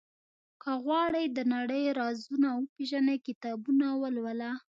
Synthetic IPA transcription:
kəɣwɑɽəjd̪ənaɽəjɾɑzunawəpeʒanakɪt̪ɑbunawəlwəla

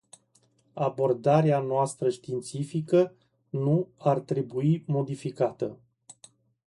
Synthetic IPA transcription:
abo̞rd̪aɾeanoast̪ɾəʃt̪int̪sifikə | nuart̪ɾe̞buimo̞d̪ifikat̪ə

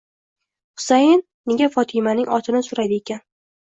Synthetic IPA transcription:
hʊ̥sajɪnːɪɡʲafɒt̪ʰɪmanɪŋɒt̪ʰɪnɪsʊɾad̪ɪekʲʰan

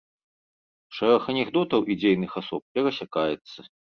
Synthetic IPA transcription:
ʂɛɾɐxɐnʲɛɣd̪ɔt̪ɐwʔid͡zʲejnɨxasɔp̚pʲɛɣɐsʲakajɛt̪sːɐ

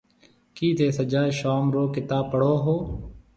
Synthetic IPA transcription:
kiːt̪ʰeːsəd͡ʒaːʃaːmɾoːkɪt̪aːpəɽ̤oːɦoː

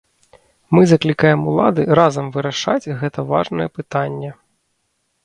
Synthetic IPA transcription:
mɨzɐklʲikajɛmulˠa̰d̪ɨɾazɐmvɨɾaʂa̰t͡sʲɣɛt̪ɐva̰ʐnɐjɛpɨt̪anʲːɛ

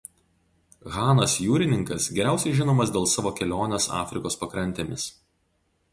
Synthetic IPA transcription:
ɣɑːnɐsjuːɾʲɪnʲɪŋkɐsɡʲɛɾʲæˑʊsʲɛɪʒʲɪnoːmɐsd̪ʲeːlˠsɑːʋoːkʲɛlʲoːnʲesɑ̰ːfʲɾʲɪkoːspɐkɾɐnʲt̪ʲeːmʲɪs

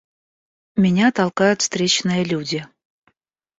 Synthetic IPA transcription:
mʲɪnʲat̪ɑlˠkajʊt̪st̪ɾʲet͡ɕnɨjəlʲudʲɪ

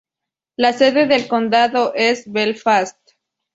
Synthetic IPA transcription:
lase̞ðe̞ðe̞lko̞nd̪aðoʔe̞sβelfast̪

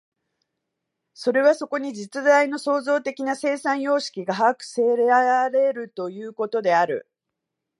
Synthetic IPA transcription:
so̞ɾe̞β̞aso̞ko̞ɲ̟id͡ʑit͡sɨzaino̞so̞ːzo̞ːt̪e̞kʲinase̞ːsãɰ̃jo̞ːɕi̥kʲiɡaɦakɯ̟̥se̞ːɾeaaɾe̞ɾɯ̟t̪o̞jɯ̟ːko̞t̪o̞d̪e̞aɾɯ̟̰

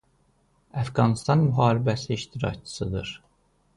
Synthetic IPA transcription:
æfɡɑnist̪ɑnmyɦɑːɾibæsiiʃt̪iɾɑ̰ct͡ʃʰɯ̥sɯd̪ɯɾ̥

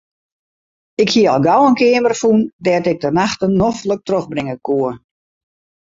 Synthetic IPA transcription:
ɪkhiəɔlˠɡawənkɪəmərfundɛtɪk̚dənaxtənːoflək̚troxbrɪŋəkʰuə

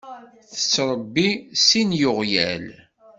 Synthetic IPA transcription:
θə̥t͡sːɾˤəbːisinjʊʁjæ̰l

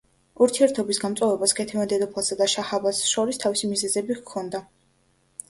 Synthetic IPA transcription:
uɾt̪ʰiɛɾt̪ʰɔbisɡamt̪sʼɔvɛbaskʰɛt̪ʰɛvand̪ɛd̪ɔpʰlˠasad̪aʃahabasʃɔɾist̪ʰavisimizɛzɛbikʰːɔnd̪a

